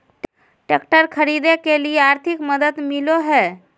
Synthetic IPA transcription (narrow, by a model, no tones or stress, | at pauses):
ʈ | ʈekʈəɾkʰəɾid̪ekeliaɾt̪ʰikməd̪əd̪miloɦe